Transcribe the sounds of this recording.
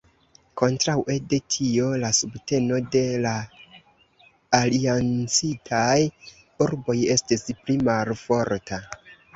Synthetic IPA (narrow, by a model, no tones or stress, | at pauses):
kʰo̞ntɾawʔe̞de̞tʰio̞lasubte̞no̞de̞la | liant͡sitʰaj | uɾbo̞je̞stisplimalfo̞ɾtʰa